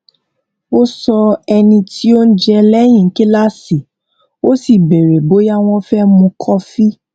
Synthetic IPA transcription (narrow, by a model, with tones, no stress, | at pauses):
o˦sɔ˧ɛ˧nĩ˧tʰi˦o˦n̩˦d͡ʒɛ˧lɛ˦j̃ĩ˦˨˦ki˦la˦si˨ | o˦si˨be˨ɾe˨bo˨˦ja˦w̃ɔ̃˦fɛ˦mũ˧kʰɔ˦fi˦